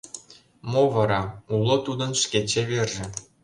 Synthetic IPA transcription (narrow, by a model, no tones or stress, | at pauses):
movɑɾɑulˠŏt̪ud̪ɤ̆nʃkʲet͡ɕeβerʒĕ